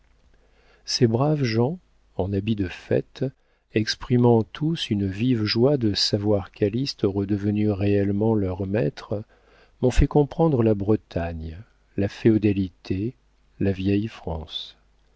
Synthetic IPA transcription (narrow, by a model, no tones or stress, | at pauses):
sebʁavʒɑ̃ | ɑ̃nabid̪əfɛ̰t̪ | ɛkspχimɑ̃t̪ʰusynvivʒwad̪əsavwaʁkalist̪ɔʁɛd̪əvənyʁeɛlmɑ̃lœʁmɛt̪χ | mɔ̃fɛkɔ̃pχɑ̃d̪ʁəlabʁət̪aɲ | lafeod̪ɛlit̪ʰe | lavjɛjfχɑ̃s